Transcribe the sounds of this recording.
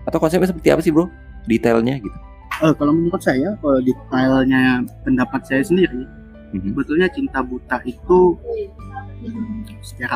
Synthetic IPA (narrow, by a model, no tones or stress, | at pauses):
at̪awkɔnsɛp̚ɲasəpərt̪ia̰pasɪhbo | dit̪alɲaɡit̪u̥ | əkaloməmukʊt̪̚sajakalodit̪alɲapəndapat̪̚sajasəndiɾi | m̩ɦbət̪ulɲat͡ʃint̪abut̪aʔit̪u | əsə̥t͡ʃaɾa